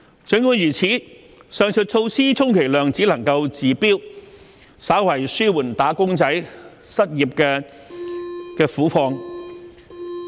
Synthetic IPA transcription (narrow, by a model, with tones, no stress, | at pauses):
t͡sɵ˨˥ŋkuː˨˧˥njyː˨˩t͡sʰiː˨˥ | sœː˧ŋt͡sʰɵ˨t̚t͡sʰo˧wsiː˥t͡sʰʊ˥ŋkʰe˨˩jlœː˨˩ŋt͡siː˨˥lɐ˨˩ŋkɐ˧wt͡siː˨piː˥w | saː˨˥wwɐ˨˩jsyː˥wuː˨˩nt̪aː˨˥kʊ˥ŋt͡sɐ˨˥j | sɐ˥t̚jiː˨p̚kɛː˧ | kɛː˧fuː˨˥fɔː˧ŋ